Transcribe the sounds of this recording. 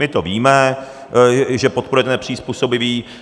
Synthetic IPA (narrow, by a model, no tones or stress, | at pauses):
mɪt̪oviːmɛ | ʒɛpot̪poɾujɛt̪ɛnɛpr̝̥iːspuːso̞bɪviː